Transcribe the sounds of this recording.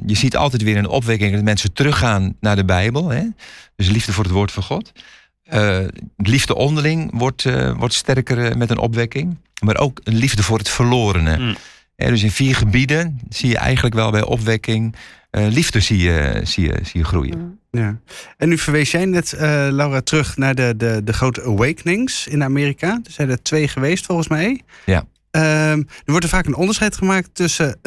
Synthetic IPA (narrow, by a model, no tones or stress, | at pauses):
jəsiətʰɑ̰lˠtɛtʋɪəɾənɔ̰pʋɛkɪŋdɔtmɛnsətərøxaːnːadəbɛjbəlˠɦɛd̥øsənlivdəfʊːrətʋoːtfɑnxɔt | əlivdəʔɔndəlɪŋʋɔtʋɔ̰rtstɛrkərmɛtənʔɔ̰pʋɛkɪŋ | maɾʔo̰ːkənlivdəfʊːrətfərloːɾənə̰ | hɛ̰døs̬ɪnfiːrχəbidənsijə̰ʔɛ̰jɣəntləkʋɛ̰lˠbɛjʔɔ̰pʋɛkɪŋ | livdəsiə̰siə̰siəχrṵjə̰jaɛnːyfəɹʋejsjɛjnɛtəlawratrøχnaːɹdədədəχrowtəəwejkənɪŋsɪnamɪːrikadsjɛjdətʋejχəʋejstfɔlˠχənsmɛjja | ədəʋɔɹtəɹv̥aːkənɔndəsχɛjtχəmaːk̚tøsə